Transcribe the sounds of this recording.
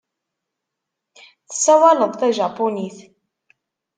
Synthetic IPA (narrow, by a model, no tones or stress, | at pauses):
θə̥sːæwɑləðˤθæʒɑpːuniθ